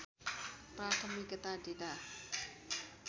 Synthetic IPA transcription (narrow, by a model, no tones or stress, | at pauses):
pɾat̪ʰəmikət̪adeda